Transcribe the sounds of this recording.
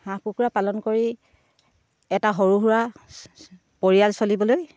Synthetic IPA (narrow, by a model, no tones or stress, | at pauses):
hãkukuɹapalɔnkoɹi | ɛtaɦoɹuɦuɹa | poɹijalsolibɔloj